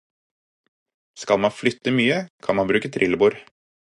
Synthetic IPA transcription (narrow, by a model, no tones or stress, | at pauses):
skɑlmɑnflʏt̪ːəmyːəkʰɑnmɑnbɾʉːkət̪ʰɾʔɪləbuːɾ